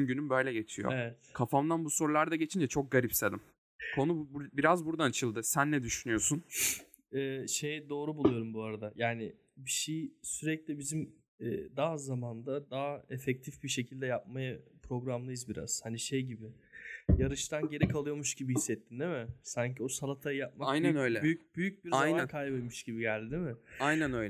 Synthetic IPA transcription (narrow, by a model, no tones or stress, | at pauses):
nɟynymbøjlʲɛɟe̞t͡ʃʰijo̰evɛt̪kʰafamd̪anbuso̞ɾulˠaɾd̪aɟe̞t͡ʃʰind͡ʒɛt͡ʃʰo̞k̚ɡaɾipselʲim | kʰo̞nubiɾazbuɾd̪ant͡ʃʰɯlˠd̪ɯsænːɛd̪yʃynyjo̞sun | ɛːʃejd̪o̞ːɾubulˠujo̞ɾumbuaɾad̪ajaːnɪ | biʃejsyɾɛclʲibizim | ɛːd̪aːzamand̪ad̪aɦaefɛc̚t̪ʰifbiʃe̞cʰilʲd̪ɛjap̚majapʰɾo̞ɡɾamlˠɯjɯzbiɾa̰z̥haniʃejɟibɪ | jaɾɯʃt̪ʰanɟe̞ɾikʰalˠɯjo̞ɾmuʃɟibihisːɛt̪ʰːind̪ɛmɪsaɲcʰiosalˠat̪ʰajap̚maajnænøjlʲɛbyjybyjyc̚biɾaajnaankʰajbɯjmuʃɟibiɟælʲd̪id̪imɪajnænø̞jlɛ